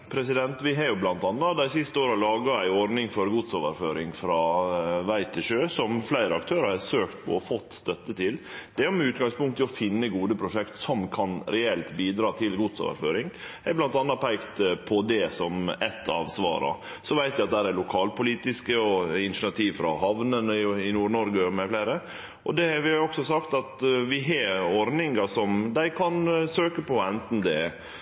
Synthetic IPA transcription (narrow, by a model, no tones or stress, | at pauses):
pʰɾɛsɪd̪ɛnt̪ʋɪɦɑɾjʊblɑnt̪ɑnːɑd̪æɪsɪst̪əoːɾɑlɑːɡɑæɪɔɾnɪŋfɔɾɡut̪soːʋəɾføːɾɪŋfɾɑːʋæɪt̪ʰɪʂøːsɔmflæɪɾəɑk̚t̪ʰøːɾəɾhɑsøːkt̪̚pʰɔ̰ɔfɔt̪ːst̪œt̪ːət̪ʰɪld̪̥ɛæʊmɛʉːt̪̚ɡɑŋspʊŋkt̪ʰːɪɔfɪnːəɡuːd̪əpʰɾʊʂɛkt̪sɔmkʰɑnɾɛɛlt̪biːd̪ɾɑːt̪ʰɪlɡud̪so̰ːʋə̰ɾføːɾɪŋɛɾblɑnt̪ɑnːɑpʰæɪkt̪əpʰɔd̪ɛsɔmɛt̪ʰːɑ̰ʋsʋɑ̰ːɾɑ̰ | sɔʋæɪt̪ʋæɪɑt̪̚d̪æɾæɾlʊkʰɑːlpʊliːt̪ɪskəɔɪnɪʂnɑt̪ʰiːʋfɾɑ̰hɑʋnənɪnuːɾɳɔɾɡəɔmɛflæɪɾə | ʔɔ̰d̪ɛʋɪhɑɾɔksɔsɑkt̪ɑt̪ʋɪɦɑɔɾnɪŋɑsɔmd̪æɪkʰɑnsøːkəpʰɔɛnt̪n̩d̪ɛ